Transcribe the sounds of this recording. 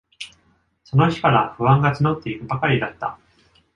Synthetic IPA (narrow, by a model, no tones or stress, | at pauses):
so̞no̞çi̥kaɾaɸɯ̟βãŋɡat͡sɨno̞t̪ːe̞ikɯ̟bakaɾʲid̪at̪ːa̰